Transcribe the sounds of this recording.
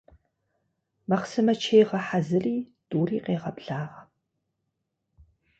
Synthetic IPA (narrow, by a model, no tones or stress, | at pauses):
mɐχsɨmɐt͡ʃʰejʁɐħazɨriːdʼuːriːqeːʁɐpɬaːʁɐ